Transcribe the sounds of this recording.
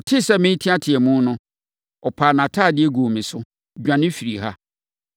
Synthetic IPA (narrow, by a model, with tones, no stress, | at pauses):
ɔ˨tʰɪ˦sɛ˦mɪ̃˦n˦tʰĩ˦a˦tʰɪ˨ɛ˨mũ˦nʊ̃˦ | ɔ˨pʰaː˨nã˨tʰaː˦˨dɪ˦ɛ˦ɡoː˨mɪ̃˨sʊ˦ | d͡ʑᶣã˨nɪ̃˦fi˨ɾi˨ha̰˦